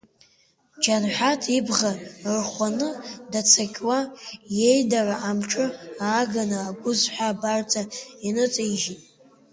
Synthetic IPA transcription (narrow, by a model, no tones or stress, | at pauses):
d͡ʒanħʷᶣatʰibʁarχʷanɨdat͡sʰakʲʼwaje̞jdaraʔamʈ͡ʂʼɨaːɡanɨaɡʷʊzħʷabartʰainɨt͡sʼajʒitʼ